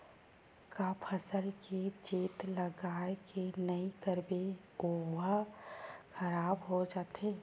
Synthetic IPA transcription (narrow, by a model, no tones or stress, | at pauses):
kaːpʰəsəlked͡ʒeːt̪ləɡaːekenəikəɾbe | oːʋa | xʰɐɾaːbɦod͡ʒaːt̪eː